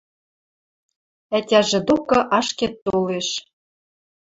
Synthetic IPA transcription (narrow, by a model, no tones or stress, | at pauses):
ætʲæʒĕd̪okɤ̆ʔɑʃket̪ːoleʃ